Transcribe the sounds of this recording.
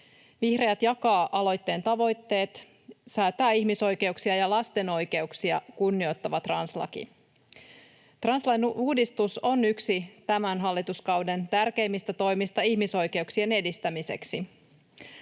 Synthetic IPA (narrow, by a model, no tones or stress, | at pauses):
ʋihreæt̪jɑkɑːʔɑlo̞jt̪ːe̞ːnt̪ɑʋo̞jt̪ːe̞ːt̪ | sæːt̪æːihmiso̞jke̞uksiɑjɑlɑst̪e̞no̞jke̞uksiɑkunːio̞t̪ːɑʋɑt̪rɑnslɑ̰kḭ | t̪rɑnslɑjnuːdist̪uso̞nyksit̪æmænɦɑlːit̪uskɑwdent̪ærke̞imːist̪æt̪o̞jmist̪ɑiçmiso̞jke̞uksie̞ne̞dist̪æmise̞ksi